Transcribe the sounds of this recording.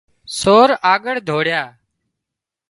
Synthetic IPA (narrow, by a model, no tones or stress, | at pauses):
soːɾaːɠəɽ̤d̪ʱoːɽjaː